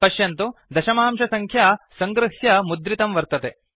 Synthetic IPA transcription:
pɐʃjɐnt̪ud̪ɐʃɐmaːmʃɐsɐŋkʰjaːsɐŋɡɾɨɦjɐmud̪ɾit̪ɐmʋɐɾt̪ɐt̪e

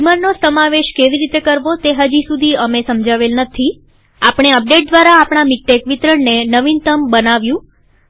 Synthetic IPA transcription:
imənnosəmaʋeʃkeʋiɾit̪ekəɾʋot̪eɦəd͡ʒisud̪ʱiəmesəmd͡ʒaʋelnət̪ʰi | apɳ̃eəp̚ɖeʈ̚d̪ʋaɾaːpɳ̃amik̚ʈekʋit̪ɾəɳnenəʋint̪əmbənaʋjũ

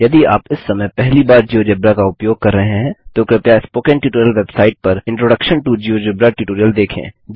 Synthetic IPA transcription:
jɐd̪ia̰ːpɪsːɐməjpɛɦlibaːɾd͡ʒiːoːd͡ʒebɾakaʊpjoːɡ̚kɐɾːɐɦeɦɛ̃t̪okɾɪpjaɪspoːkɛ̃ɳʈjuːʈoːɾijəlʋeːbsaːɪʈ̚pɐɾɪ̃ɳʈɾoːɖəkʃənʈud͡ʒiːoːd͡ʒebɾaʈjuːʈoːɾijəld̪eːkʰḛ̃ːd͡ʒ

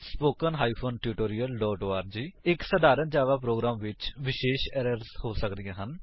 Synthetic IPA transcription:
spoːkənɦaːipʰoːnʈjuːʈoːɾijəlːɔːʈoːaːɾd͡ʒiːɪksəd̪aːɾənd͡ʒaːʋaːpɾoːɡɾaːmʋɪt͡ʃʋɪʃeːʃɛːɾəɾzhoːsəkd̪ijãːɦən

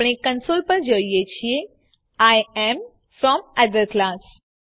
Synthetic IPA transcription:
ɽ̃ekə̃nsolpəɾd͡ʒəijet͡ɕʰije | ajem | fɾɔməd̪əɾklas

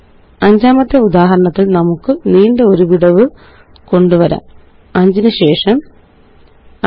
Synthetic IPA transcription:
ɐɲd͡ʑaːmɐt̪ːeud̪aːɦɐɾɐɳɐt̪ːilnɐmukːɨniːɳɖe̞o̞ɾuʋiɽɐʋɨ | ko̞ɳɖuʋɐɾa̰ː | ɐɲd͡ʑinɨɕe̞ːʂɐm

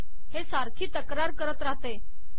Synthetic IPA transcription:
ɦesaɾkʰiːt̪əkɾaɾkəɾət̪ɾaɦt̪e

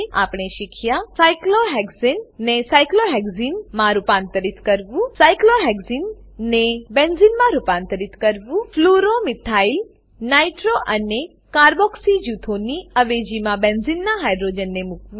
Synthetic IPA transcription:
apɽ̃eʃikʰjasajkloɦɛɡzinːesajkloɦɛɡzinmãɾupãnt̪əɾit̪kəɾʋũsajkloɦɛɡzinːebenzinmãɾupãnt̪əɾit̪kəɾʋũfluɾomɪt̪ʰail | naiʈɾoʔəne | kaɾbɔksid͡ʒut̪ʰoniəʋed͡ʒimãbenzinːaɦajɖɾod͡ʒənːemukʋũ

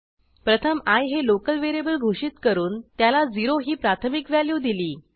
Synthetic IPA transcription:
pɾət̪ʰəmajɦelokəlʋeɾebəlɡʱoʂit̪kəɾuːnt̪jalad͡ziɾoɦiːpɾat̪ʰəmikʋæljuːd̪iliː

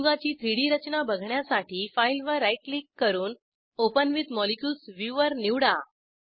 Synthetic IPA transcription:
ɡat͡ɕiːt̪ʰɾiɽiːɾət͡ɕnabəɡʱɳjasaʈiːfajlʋəɾaiʈlikːəɾuːn | opənʋit̪mɔlikjulsʋjuʋəɾniʋɽa

